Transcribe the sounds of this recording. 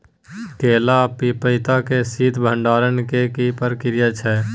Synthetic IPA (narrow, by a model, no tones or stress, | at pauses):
keːlapipəɪt̪akesiːt̪ʰbʱə̃ɳɖaːɾənkekipəɾkɪɾɪjət͡ʃʰɛː